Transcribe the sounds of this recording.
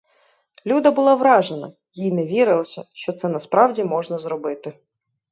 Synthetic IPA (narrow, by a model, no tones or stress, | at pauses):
lʲud̪ɐbʊlˠɑʋɾɑʒenɐ̰ | jinɛʋʲiɾɪlˠɐsʲɐʃt͡ʃɔt̪sɛnɐspɾɑwdʲimɔʒnɐzɾɔbɪt̪ɪ